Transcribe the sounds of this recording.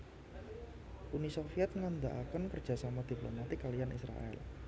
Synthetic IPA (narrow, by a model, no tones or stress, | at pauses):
ʔunisofiɛt̪̚ŋand̪aʔakənkərdd͡ʒʒ̥a̤samad̪̥i̤plomat̪ɪkːalijanḭsɾa̰ʔɛ̰l